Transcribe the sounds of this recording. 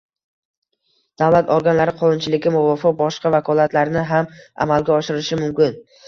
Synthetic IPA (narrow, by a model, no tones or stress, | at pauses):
d̪̥avlat̪ʰɒɾɡʲanlaɾɪqʰɒnʊnt͡ʃʰɪlɪɡʲɪmʊvɒfɪq̚bɒʃqɑvakʰɒlˠat̪laɾnɪɦama̰malɡʲaɒʃɪɾɪʃɪmʊmkʲɪn